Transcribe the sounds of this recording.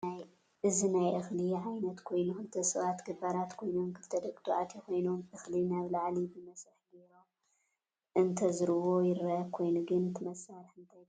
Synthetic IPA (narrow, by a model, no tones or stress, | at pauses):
naj | ʔɨzinajʔɨxliʕajnɐt̪kʰo̞jnuxɨlɨt̪ʰɐsɨβat̪ɡɨbaɾat̪kʰo̞jnomkʰɨft̪ʰɐd̪ɐkʼt̪ʰuʕat̪ʰeko̞jnomʔɨxlinaβlaʕlibɨmɐsɨħɡeɾom | ʔɨnt̪ʰɐzɨɾɨwo̞jɪɾːɐkʰo̞jnuɡɨnɨt̪ʰɨmɐsːaɾħɨnt̪ʰaj